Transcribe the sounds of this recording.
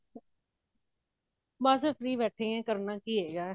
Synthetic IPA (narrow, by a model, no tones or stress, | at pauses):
mãːsefɾiːʋɛːʈʰeɛ̃ːkəɾnaːkiːɦeːɡaː